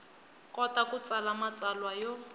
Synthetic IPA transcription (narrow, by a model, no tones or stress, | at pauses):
kʼɔtakʊt͡sʼalamat͡salwajɔ